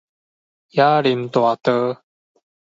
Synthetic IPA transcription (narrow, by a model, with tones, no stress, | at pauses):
ja˦li˨˩mt̪wa˨˩t̪ə˧˦